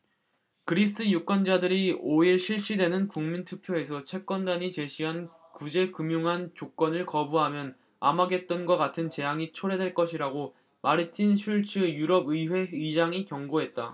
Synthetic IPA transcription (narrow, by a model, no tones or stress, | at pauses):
kɯɾis͈ʰɯjuk͈ʌnd͡ʑadɯɾioiɭɕʰiɭɕ͈idwe̞nɯnkuŋmintʰɯpʰjoe̞s̬ʰʌt͡ɕʰe̞k͈wʌndaɲit͡ɕe̞ɕʰiɦan | kud͡ʑe̞kumjuŋɦant͡ɕok͈ʌnɯɭkʌbuɦamjʌn | a̰maɡe̞t̚t͈ʌnɡwak͈atʰɯnt͡ɕe̞jaŋit͡ɕʰoɾe̞dwe̞ɭk͈ʌɕʰiɾaɡo | maɾitʰinɕʰuɭt͡ɕ͈ʰujuɾʌbɯiɸwe̞ɯid͡ʑaŋikjʌŋɡoɦe̞t̚t͈a